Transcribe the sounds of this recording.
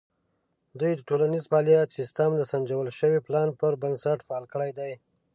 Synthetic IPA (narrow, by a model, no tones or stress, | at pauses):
d̪ujd̪əʈolanizpɑlijɑt̪sɪst̪amd̪əsand͡ʒawəlʃəwiplɑnpəɾbənsaʈfaɑlkəɽajd̪aj